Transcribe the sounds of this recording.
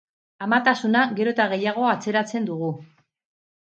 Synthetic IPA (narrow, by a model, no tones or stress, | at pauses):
amat̪asunaɣe̞ɾo̞t̪aɣ̞e̞jaɣ̞o̞at͡se̞ɾat͡se̞nd̪uɣ̞u